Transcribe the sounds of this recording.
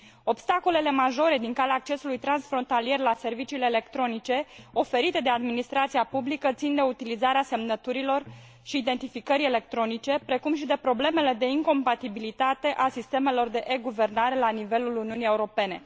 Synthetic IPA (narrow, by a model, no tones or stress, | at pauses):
o̞bst̪ako̞le̞le̞maʒo̞ɾe̞d̪iŋkaleaːk̚t͡ʃe̞sulujt̪ɾansfɾo̞nt̪alije̞rlase̞rvit͡ʃiːle̞ːle̞kt̪ɾo̞nit͡ʃe̞o̞fe̞ɾit̪e̞d̪e̞ad̪minist̪ɾat̪siapublikət̪sind̪e̞ut̪ilizaɾease̞mnət̪uɾilo̞r | ʃiːd̪e̞nt̪ifikəɾʲe̞le̞k̚t̪ɾo̞nit͡ʃe̞pɾe̞kumʃid̪e̞pɾo̞ble̞me̞le̞d̪e̞iŋko̞mpat̪ibilit̪at̪e̞ʔasist̪e̞me̞lo̞rd̪e̞ʔeɡuve̞rnaɾe̞lanive̞luluniunije̞uɾo̞pe̞ne̞